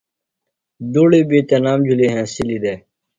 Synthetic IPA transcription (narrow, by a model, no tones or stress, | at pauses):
d̪oːɽiːbiːt̪eːnaːmd͡ʑʱuleːɦɛ̃ːsiliːd̪eː